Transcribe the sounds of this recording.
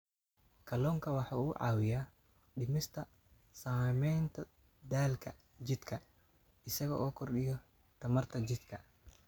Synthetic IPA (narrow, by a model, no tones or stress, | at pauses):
kʰɐlɔːŋkʰɐwɑħɑːuːʕɑ̰ːwɪjaː | ɗɪmɪst̪ʰɐ | saːmɛjnt̪ʰɐ | d̪aːlkʰɐ | d͡ʒɪd̪kʰɐ | ɪsɐɣɔ̰ʔɔːkʰɔrɗɪjɔ | t̪ʰɐmɐrt̪ʰɐd͡ʒɪd̪kʰɐ